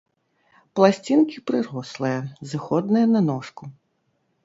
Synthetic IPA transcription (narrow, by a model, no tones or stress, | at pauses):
plˠasʲt͡sʲinkʲipɾɨɾɔslˠɨjɐzɨxɔd̪nɨjɐnɐnɔʂku